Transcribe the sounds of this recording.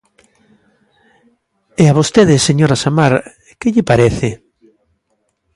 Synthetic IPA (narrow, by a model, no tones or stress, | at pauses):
eaβost̪eðɪseɲoɾasamaɾ | kɪʎɪpaɾeθɪ